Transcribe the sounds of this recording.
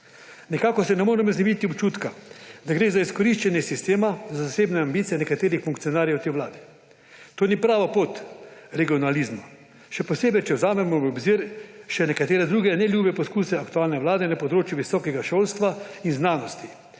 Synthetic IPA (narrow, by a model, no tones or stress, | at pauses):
nɛkaːkɔsɛnɛmoːɾɛmɔznɛmit̪iɔpt͡ʃuːt̪kad̪aɡɾeːzaiskɔɾiʃt͡ʃɛnjɛsist̪eːmazazaseːbnɛambit̪ijɛnɛkat̪eːɾixfuŋkt̪sijɔnaːɾjɛwt̪eːwʋlaːd̪ɛ | t̪oːnipɾaːʋapoːt̪ɾɛɡiɔnalizma | ʃɛpɔseːbɛjt͡ʃɛwzaːmɛmɔɔbziɾʃɛnɛkat̪eːɾɛd̪ɾuːɡɛnɛljuːbɛpɔskuːsɛakt̪uaːlnɛʋlaːd̪ɛnapɔd̪ɾoːt͡ʃjuʋisɔːkɛɡaʃolst̪ʋainznaːnɔst̪i